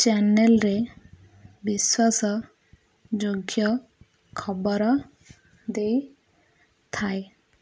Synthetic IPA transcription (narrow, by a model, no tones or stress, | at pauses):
t͡ʃanelɾe | biswasɔ | d͡ʒoɡjɔ | kʰɔbɔɾɔ | d̪ej | t̪ʰaj